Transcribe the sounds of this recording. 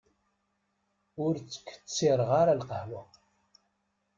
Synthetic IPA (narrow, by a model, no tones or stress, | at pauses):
ʊɾt͡sːə̥kːə̥t͡sːiɾˤʁaɾalqəhlʊ